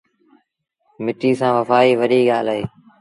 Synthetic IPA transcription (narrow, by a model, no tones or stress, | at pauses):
mɪʈiːsãːʋəfaːiːʋəɗiːɠaːlɦeː